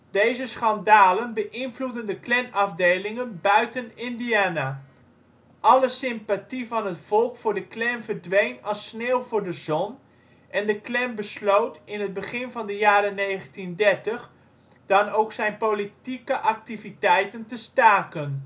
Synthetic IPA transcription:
d̥ejzəsχɑndaːlənbəʔɪnvludəndəklɛnɑvdejlɪŋənbœɥtənɪndiaːna | ʔɑləsɪmpativɑnɦətfɔlˠkfʊːɹdəklɛmvəɹdʋejnɑsneːlˠvʊːɹdəzɔn | ʔɛndəklɛmbəslowtɪnɦəd̚bəχɪnvɑndəjaːɾənejχəntindɛɹtəχ | d̥ɑnowksɛjnpolitikəʔɑk̚tivitɛjtəntəstaːkən

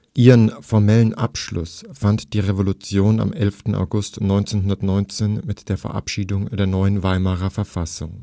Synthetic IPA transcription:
ʔiːʁənfɔɐmɛlənʔa̰pʃlʊsfantd̥iːʁevolʊt͡sjoːna̰mʔɛlftn̩ʔa̰ʊɡʊstnɔʏnt͡seːnɦʊndɐtnɔʏnt͡seːnmɪtd̥eːɐfɛɐʔa̰pʃiːdʊŋd̥eːɐnɔʏənvaɪmaʁɐfɛɐfasʊŋ

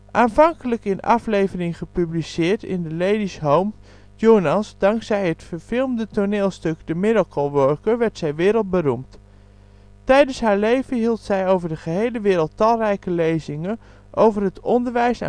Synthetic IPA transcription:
ʔaːnvɑŋkələkɪnɑ̰flejvərɪŋχəpyblisɪːɹtɪ̰ndəlejdisɦowm | jownɑsdɑŋksɛjɦətfəɹv̥ɪlˠmdətonɪːlˠstɵɡdəmɪdəkʰolˠʋøɹkəɹʋɛɹtsɛjʋɪːɾəlˠt̚bənumt | tɛjdənsɦaːɹlejvəɦilˠtsɛjowvəɹdəχəɦejləʋɪːɾəlˠtɑlˠrɛjkəlejzɪŋən | ʔowvəɹɦətɔndəɹʋɛjsa̰

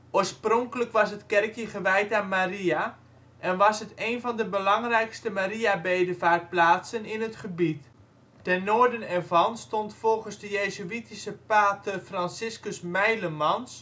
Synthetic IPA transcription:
ʔoːəsproŋkələkʋɑsətkɛrkjəɣəʋɛjtaːnmaria | ʔɛnʋɑsɦəteːnvɔndəbəlɑŋrɛjkstəmaɾiabeːdəvaːrt̚plaːtsənɪnɦətχəbit | dɛnoːɹdənɛrvɑnstontfolˠɣənzdəjeːzyitisəpaːtəfransɪskəsmɛjləmɑns

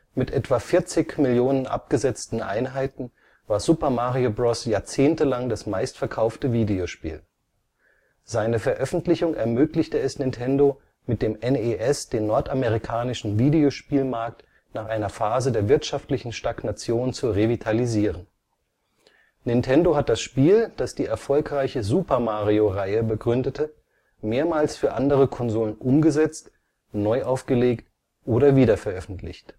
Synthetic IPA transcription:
mɪtʔɛtv̥afɪɐt͡sɪçmɪljoːnənʔa̰p̚ɡ̥əzɛt͡stn̩ʔa̰ɪnɦaɪtn̩ | vaːɐzupɐmaʁiobʁɔsjaːɐt͡seːntəlaŋdasmaɪstfɛɐkʰaʊftəviːdeoʃpḭːl | z̥aɪnəfɛɐʔœfn̩tlɪçʊŋʔɛɐmøːklɪçtəɛsnɪntʰɛndo | mɪt̚d̥eːmɛneʔɛsd̥eːnːɔɐtameʁikʰaːnɪʃn̩viːdeoʃpiːlmaɐk̚t | naːχʔaɪnɐfaːzədeːɐvɪɐtʃaftlɪçn̩ʃtaknat͡sjoːnnt͡suʁevitʰaliziːʁən | nɪntʰɛndoɦat̚d̥asʃpiːld̥asd̥iːʔɛɐfɔlkʁaɪçəzuːpɐmaːʁioʁaɪəbəɡʁʏndətʰə | meːɐmaːlsfyːɐʔandəʁəkʰɔnzoːlənʔʊmɡəzɛt͡st | nɔʏʔaʊfɡ̥əleːkt | ʔoːɾɐviːdɐfɛɐʔœfn̩tʰlɪ̰çt

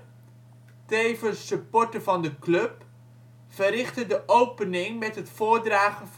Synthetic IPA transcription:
tejvəsəpɔɹtəvɑndəklɵp | v̥ərɪχtədəʔowpənɪŋmɛtɦətfʊːɹdraːχənv

